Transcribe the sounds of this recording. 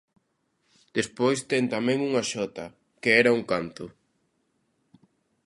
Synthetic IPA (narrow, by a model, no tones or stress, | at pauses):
d̪̥espojst̪ɛŋt̪amɛ̃ŋuŋaʃɔt̪ɐ | keɛɾauŋkant̪ʊ